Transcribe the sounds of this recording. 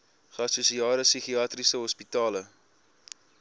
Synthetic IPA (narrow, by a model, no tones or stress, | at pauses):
χəɐsusiɑːɾəsiχiɑːtrisəɦɔspitɑːlə